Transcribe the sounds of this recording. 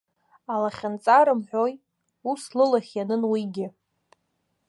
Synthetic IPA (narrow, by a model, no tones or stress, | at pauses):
alaχʲant͡sʼaɾɨmħʷᶣoj | uslɨlaχʲjanɨnwiɡʲɪ